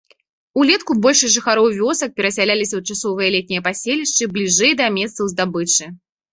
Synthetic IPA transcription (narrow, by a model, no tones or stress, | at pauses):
ulʲɛt̪kubɔlʲʂɨsʲʐɨxaɾɔwvʲɔsɐk̚pʲɛɾɐsʲalʲalʲisʲɐwt͡ʂasɔvɨjɐlʲɛt̪ʲnʲijɐpasʲelʲiʂt͡ʂɨblʲiʐɛjd̪ɐmʲɛst̪sɐwzd̪abɨt͡ʂɨ